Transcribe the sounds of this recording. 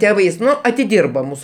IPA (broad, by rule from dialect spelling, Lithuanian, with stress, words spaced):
ˈtʲæːʋɐɪs ˈnʊ ɐtʲɪˈdʲiːrbɐ ˈmuːsʊ